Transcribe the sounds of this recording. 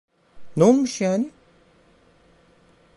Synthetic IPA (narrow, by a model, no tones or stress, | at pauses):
noolˠmuʃjaːni